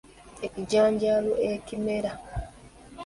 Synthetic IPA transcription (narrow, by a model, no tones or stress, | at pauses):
eciɟaːɲɟaloʔekimeɾa